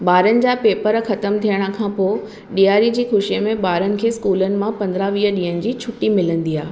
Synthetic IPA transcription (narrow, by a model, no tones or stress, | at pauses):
ɓaːɾənɪ̆d͡ʑaːpeːpəɾxɐt̪əmt̪ʰijəɽ̃ə̆kʰãːpoː | ɗijaːɾid͡ʑiːxʊʃijəmẽɓaːɾənɪ̆kʰeːskuːlənɪ̆mãpɐ̃nd̪ɾaʋiːɦəɗĩːənɪ̆d͡ʑiːt͡ɕʰʊʈimɪlə̃nd̪iaː